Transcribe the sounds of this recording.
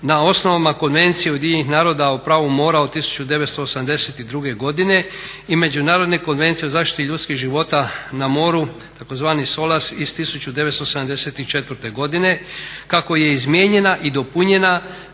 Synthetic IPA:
nao̞sno̞ʋamako̞nʋe̞nt̪sijeod̪jienixnaːɾo̞d̪aupɾaːʋumo̞ːɾaot̪isu̥t͡ɕud̪e̞ʋet̪st̪o̞ːsamd̪eset̪id̪ɾuɡe̞ɡo̞d̪ine̞ | ime̞d͡ʒunaːɾod̪ne̞ko̞nʋe̞nt̪sijeozaːʃt̪i̥t̪iʎut̪skiʒiʋo̞t̪anamo̞ːɾu | t̪ako̞zʋaːniso̞lasist̪isut͡ɕud̪e̞ʋet̪st̪oːsed̪amd̪e̞set̪it͡ʃe̞t̪ʋəɾt̪e̞ɡo̞d̪ine̞kako̞je̞izmje̞ːɲe̞naʔid̪o̞puɲe̞na

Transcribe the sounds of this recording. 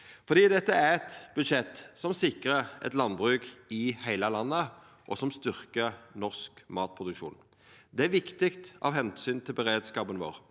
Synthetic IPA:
fɔd̪iːd̪ɛt̪ːəæʁɛt̪bʉd̪ʃɛt̪ːsɔmsɪkʁəʔɛ̰t̪lɑnbʁʉːkɪhæɪləlɑnːə | ʔɔsɔmst̪ʏʁkənɔʁskmɑːt̪̚pʰʁʊd̪ʉkʃṵːn | d̪ɛæʋɪkt̪ɪkt̪ʔɑ̰ːʋhɛnsyːnt̪ʰɪlbəɾeːd̪skɑːpənʋo̰ːʁ

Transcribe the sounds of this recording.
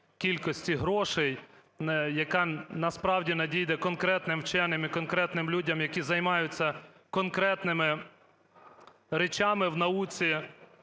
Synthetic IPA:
kʲilʲkɔsʲtʲiɦɾɔʃɛj | njɐkɑnɐspɾɑwdʲinɐdʲijd̪ɛkɔnkɾɛt̪nɪmwt͡ʃɛnɪmikɔnkɾɛt̪nɪmlʲudʲɐmjɐkʲizɐjmɑjʊt͡sʲːɐ | kɔnkɾɛt̪nɪmɪ | ɾet͡ʃɑmɪwnɐut͡sʲi

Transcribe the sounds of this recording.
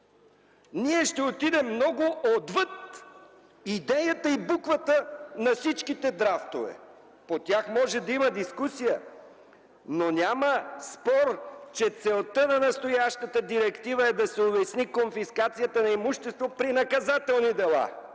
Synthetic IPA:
niɛʃt̪ɛot̪id̪ɛmːnɔɡʊʔod̪vət̪̚ | id̪ɛjət̪əibukvət̪ənɐfsit͡ʃkit̪ɛd̪ɾaft̪ovɛ̰ | pot̪ʲjaxmɔʒɛd̪ɐiməd̪iskusijə | nonʲaməspɔɾt͡ʃɛt̪sɛlˠt̪ənɐnɐst̪ojaʃt̪ət̪əd̪iɾɛkt̪ivəɛd̪ɐsɛovɛsnikonfiskat̪sijət̪ənɐimuʃt̪ɛst̪vopɾinɐkɐzat̪ɛlˠnid̪ɛlˠa̰

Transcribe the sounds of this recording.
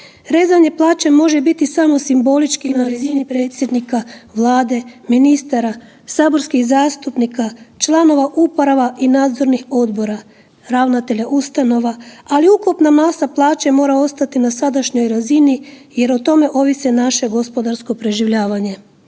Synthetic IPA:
ɾe̞ːzaɲe̞plˠaːt͡ɕe̞mo̞ʒe̞bit̪isamo̞simbo̞lit͡ʃkinaɾazinipɾe̞ːt̪sje̞d̪nikaʋlˠaːd̪e̞minist̪aɾa | saːbo̞ɾskixzaːst̪upnikat͡ʃlˠano̞ʋaʔupoɾaʋaʔinaːd̪zo̞ɾnixo̞d̪bo̞ɾa | ɾaʋnat̪e̞ʎaʔust̪ano̞ʋaaliukupnamasaplˠaːt͡ɕe̞mo̞ːɾao̞st̪at̪inasad̪aʃɲo̞jɾazinije̞ɾot̪o̞me̞ʔo̞ʋisenaʃe̞ɡo̞spo̞d̪aɾsko̞pɾe̞ʒiʋʎaːʋaɲe̞

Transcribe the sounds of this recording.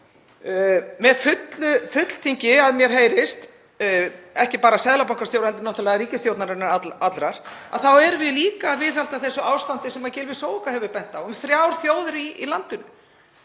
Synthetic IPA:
mɛðfʏt̪lʏfʏt̪l̥t̪ʰiɲcɪaðmjɛɾ̥ɦejɾɪst̪ | ɛhcɪpaːɾasɛðlapawŋkast̪jowɾhɛlt̪ɪɾnɔht̪ʏlɛɣaɾiːcɪst̪jowt̪naɾɪnaɾaat̪lɾaɾ̥a̰ðθawɛɾvɪðliːkaːvɪːθhalt̪aθɛsʏaːwst̪ant̪ɪsɛmːacɛːlvɪsoːwɪŋkahɛvʏpɛn̥t̪awʏmθɾjawɾ̥θjoːwðʏɾiʔilant̪ʏnʏ

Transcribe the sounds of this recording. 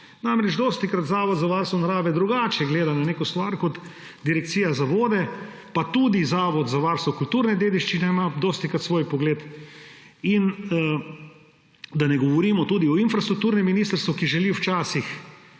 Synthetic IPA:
namɾɛt͡ʃd̪ost̪ikɾat̪zaːʋɔd̪zaʋaːɾst̪ʋɔnaɾaːʋɛd̪ɾuɡaːt͡ʃjɛɡleːd̪ananeːkɔst̪ʋaɾkɔt̪ | d̪iɾɛk̚t̪siːjazaʋoːd̪ɛ | pat̪uːd̪izaːʋɔd̪zaʋaːɾst̪ʋɔkult̪uːɾnɛd̪eːd̪iʃt͡ʃinɛimad̪ost̪ikɾat̪sʋoːjpɔɡleːt̪ | in | d̪anɛɡɔʋɔɾiːmɔt̪uːd̪iɔinfɾast̪ɾukt̪uːɾnɛmːiniːst̪əɾst̪ʋukiʒɛliwt͡ʃaːsix

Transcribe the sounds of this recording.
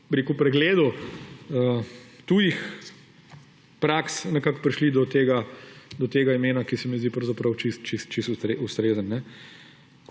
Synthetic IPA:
bɾekupɾɛɡleːd̪u | ət̪uːjix | pɾaksnɛkaːkpɾiʃlid̪ɔt̪eːɡad̪ɔt̪eːɡaimeːnakisɛmizd̪ipɾɐwzɐpɾɐwt͡ʃist̪t͡ʃist̪t͡ʃist̪ust̪ɾeʔust̪ɾeːzənːɛ

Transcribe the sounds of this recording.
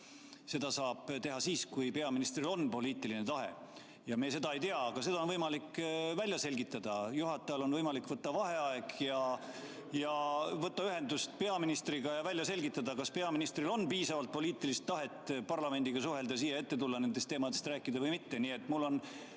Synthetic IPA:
se̞d̪̥ɑsɑːb̥t̪e̞ɦɑsiːskujpe̞ɑminist̪rilo̞npo̞liːt̪ːˑiline̞t̪ɑɦe̞̰ | jɑmeːse̞d̪ɑe̞jt̪eɑːɡ̥ɑsed̪ɑo̞nvɤjmɑlikːvælʲjɑse̞lʲɡit̪ːˑɑd̪̥ɑjuɦɑt̪ːˑɑjɑlo̞nvɤjmɑlikˑvɤt̪ːɑvɑɦe̞ɑeɡ̥jɑ | jɑvɤt̪ːɑyɦe̞nd̪ust̪pe̞ɑminist̪riɡ̥ɑjɑvælʲjɑse̞lʲɡit̪ːˑɑd̪ɑkɑspe̞ɑminist̪rilo̞nːpiːsɑvɑlt̪̚po̞liːt̪ːˑilist̪ːɑɦe̞t̪ːpɑrlɑme̞nd̪iɡ̥ɑsuɦe̞ld̪ɑs̬iːjɑe̞t̪ːe̞t̪ulːɑne̞nd̪est̪ːeːmɑd̪̥e̞st̪ræːkːˑid̪̥ɑvɤjmit̪ːe̞niːe̞t̪ːˑmulːo̞n

